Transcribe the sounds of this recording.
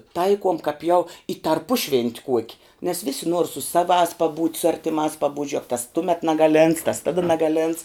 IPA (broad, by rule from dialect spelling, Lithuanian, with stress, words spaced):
ˈtɐɪkuɔm kɐp jɛʊ ɪ tɐrˈpʊʃʲʋʲɛnʲtʲ ˈkuɔkʲɪ nʲɛs ˈʋʲɪsʲɪ nuɔr sʊ ˈsɑːʋɑːs pɐˈbuːtʲ sʊ ˈɐrʲtʲɪmɑːs pɐˈbuːtʲ ˈʒʲʊɛk tɐs ˈtʊmʲɛt nɐɡɐˈlʲeːnts tɐs ˈtɑːdɐ nɐɡɐˈlʲeːnts